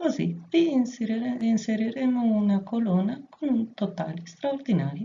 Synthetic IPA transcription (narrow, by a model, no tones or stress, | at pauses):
kozḭvi | inseɾiɾɛmounakolɔːnakʰont̪ot̪aːlist̪ɾaoɾd̪inaːɾi